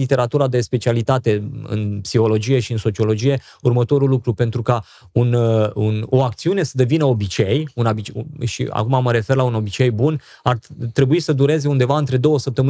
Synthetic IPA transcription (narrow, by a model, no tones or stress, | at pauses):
lit̪e̞ɾat̪uɾad̪e̞spe̞t͡ʃialit̪at̪e̞ɨ̰npsiho̞lo̞d͡ʒije̞ʃiɨnso̞t͡ʃio̞lo̞d͡ʒije̞ | urmət̪o̞ɾulːukɾupe̞nt̪ɾuka | ununo̞ak̚t̪siune̞səd̪e̞vinəo̞bit͡ʃe̞junabit͡ʃʃḭa̰kumaməɾe̞fe̞rlauno̞bit͡ʃe̞jbun | art̪ɾe̞buisəd̪uɾe̞ze̞und̪e̞vaɨnt̪ɾe̞d̪o̞wəsəp̚t̪əmɨ